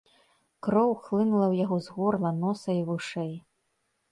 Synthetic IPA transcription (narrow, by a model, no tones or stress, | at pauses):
kɾɔwxlˠɨnulˠɐwjaɣɔzɣɔrlˠɐnɔsɐivuʂɛj